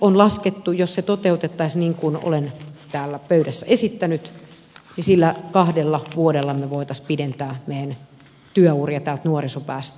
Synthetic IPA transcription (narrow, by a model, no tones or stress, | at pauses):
onlɑsket̪ːujosset̪ot̪eut̪et̪ːɑisʲniːŋkuno̰lent̪æːlːæpøydæsːæesit̪ːænyt̪ | nisilːækɑhdelːɑʋuodelːɑmeʋoit̪ɑspident̪æːmeːæn | t̪yæuːriɑt̪æːlt̪nuorisopæːst̪